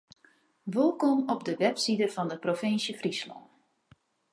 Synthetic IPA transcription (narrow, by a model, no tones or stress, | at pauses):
ʋɪlˠkɔmɔbdəʋɛpsidəvɑndəprofɪnsjəfrislɔ̰n